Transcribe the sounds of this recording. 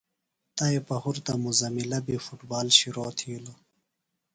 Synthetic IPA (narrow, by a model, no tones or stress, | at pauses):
t̪ɐepɐhuɾt̪ɐmuzɐmilɐbifuʈbaːlɕiɾoːt̪ʰiːlo